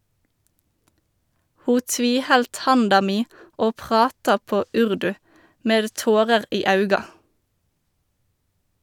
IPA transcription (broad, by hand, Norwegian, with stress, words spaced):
ˈhuː ˈtʋiːˌhɛlt ˈhɑndɑ ˈmiː ˈoː ˈpʁɑːtɑ ˈpoː ˈʉʁdʉ ˈmeːd ˈtoːʁəʁ ˈiː ˈɑʉɡɑ